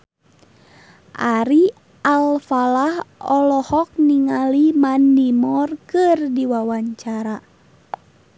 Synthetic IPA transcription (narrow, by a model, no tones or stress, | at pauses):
ʔaɾi | alfalahɔlɔhɔk̚niŋalimandimɔrkɨrdiwawaɲt͡ʃaɾa